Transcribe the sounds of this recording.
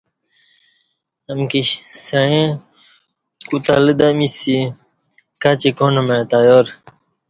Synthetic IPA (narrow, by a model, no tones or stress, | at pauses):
ɐmkiɕsɐɻẽ | kut̪a̰ləd̪amisi | kat͡ɕikoːnɐmet̪ajoːɾ